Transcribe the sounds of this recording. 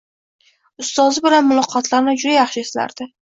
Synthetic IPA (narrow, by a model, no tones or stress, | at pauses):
ʊst̪ɒzɪbɪlanmʊlˠɒqʰɒt̪ʰlaɾnɪd͡ʒʊd̪ajɑχʃɪesla̰ɾd̪̥ɪ